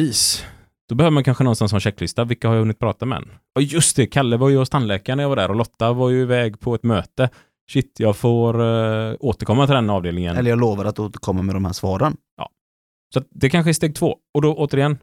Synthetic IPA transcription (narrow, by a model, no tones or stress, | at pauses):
iːs | d̪̥ɔbɛhøːvəmankʰanɧənɔnsansɔɑnɕɛkːlɪst̪avɪlkːahaɾjahɵnːɪt̪̚pʰɾɑːt̪amɛd̪ɛ̰nː | ɔjɵst̪d̪ɛkʰalːəvaɾjɵɔst̪anːlɛːkaɳəjavaɖæ̰ɾɔlɔt̪ːavaɾjɵɪvɛːɡpʰɔɛt̪møːt̪ə | ɕɪt̪ːjɑːɡfoːɾoːt̪əɾkʰɔmːat̪ɪld̪ɛnɑːvd̪eːlnɪŋə̰nɛlːəɾjɑːɡloːvaɾat̪oːt̪əɾkʰɔmːamɛd̪ɔmhæ̰ːʂvɑːɾən | jɑ̰ː | sɔat̪̚d̪ɛkʰanɧəɛst̪eːɡ̚t̪ʰvoːɔd̪ɔʔoːt̪əɾɪjɛnː